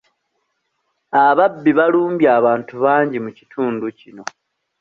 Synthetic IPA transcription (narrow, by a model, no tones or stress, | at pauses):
aβabːiβaluːmbjaːβaːntuβaːɲɟimucitʰuːnducino̞